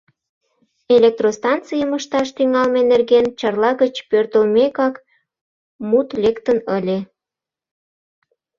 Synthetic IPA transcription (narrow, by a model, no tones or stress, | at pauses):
elek̚t̪rost̪ɑnt͡sijəməʃt̪ɑʃt̪yŋɑlmenerɣent͡ɕɑrlɑɣət͡ɕpørt̪əlmekɑk | mut̪lekt̪ənəlʲe